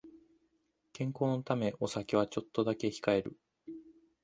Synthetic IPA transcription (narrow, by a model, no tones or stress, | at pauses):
kẽ̞ŋko̞ːnot̪ame̞ʔo̞sakeβ̞at͡ɕo̞t̪ːo̞d̪ake̞çi̥kae̞ɾɯ̟